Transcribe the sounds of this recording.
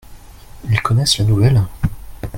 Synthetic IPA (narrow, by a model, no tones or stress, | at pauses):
ilkɔnɛslanuvɛl